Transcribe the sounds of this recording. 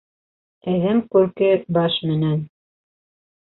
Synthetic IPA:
æðæmkʉɾkɘbɑʃmɘ̆næn

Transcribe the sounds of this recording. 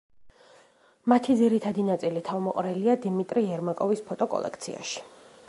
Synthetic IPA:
mat̪ʰid̪ziɾit̪ʰad̪inat̪sʼilit̪ʰavmɔqʼɾɛliad̪imit̪ʼɾiɛɾmakʼɔvispʰɔt̪ʼɔkʼɔ̰lˠɛ̰k̚ʰt̪sʰḭa̰ʃi̥

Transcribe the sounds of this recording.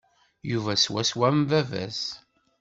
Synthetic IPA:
juvæswæswæmvævæ̰s

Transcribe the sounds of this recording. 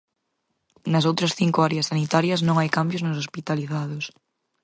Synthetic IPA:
nɐs̬owt̪ɾɐsθiŋkʊaɾeɐsanit̪aɾjɐznõŋajkambjoznʊsospit̪aliθaðʊs

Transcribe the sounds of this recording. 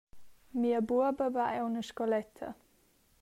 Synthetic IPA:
miəbuɐbəvaʔɛwnəʃkɔlɛt̪ʰə̰

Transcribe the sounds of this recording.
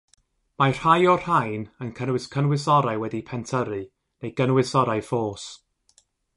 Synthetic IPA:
majr̥hajɔr̥hajnənkʰənwɪskʰənwɪsɔɾajwɛdipʰɛntʰəɾɨ | nejɡ̥ənwɪsɔɾajfoːs

